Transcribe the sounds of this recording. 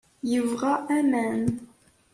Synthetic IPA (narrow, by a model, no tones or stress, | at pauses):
jəvʁɑʔæmæn